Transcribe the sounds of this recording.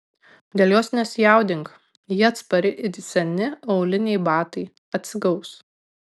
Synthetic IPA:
d̪ʲeːlʲˠjoːsnʲɛsʲjæˑʊd̪ʲɪŋk | jiɐt̪spɐɾʲɪʔɪɾʲsʲɛnʲɪɐʊlʲɪnʲɛɪbɑːt̪ɐɪ | ɐt̪ʲsʲɪɡɐʊs

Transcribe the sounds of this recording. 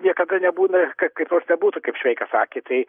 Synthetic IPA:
nʲiɛkɐd̪ɐnʲɛbuːnɐkɐkɐɪpnoːrsnʲɛbuːt̪ʊkɐɪpʃʲʋʲɛɪkɐsɑ̰ːkʲɪːt̪ɐɪ

